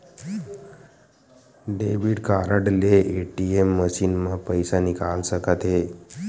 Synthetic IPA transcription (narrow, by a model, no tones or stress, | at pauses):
ɖeʋiɽkaɾəɽleːʈiemːəɕiːnməpəjsanikalsəkət̪ɦe